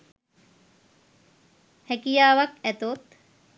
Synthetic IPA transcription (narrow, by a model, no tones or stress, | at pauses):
hɛkijaːʋakæt̪ot̪